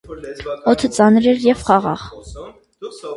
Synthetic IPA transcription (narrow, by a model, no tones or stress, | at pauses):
ɔt̪ʰət͡sɑnɾɛɾjɛvχɑʁɑ̰ʁ